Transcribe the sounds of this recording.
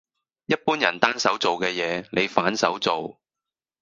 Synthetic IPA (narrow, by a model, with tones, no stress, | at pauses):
jɐ˥t̚puː˥njɐ˨˩nt̪aː˥nsɐ˨˥wt͡so˨wkɛː˧jɛː˨˧ne˨˧jfaː˨˥nsɐ˨˥wt͡so˨w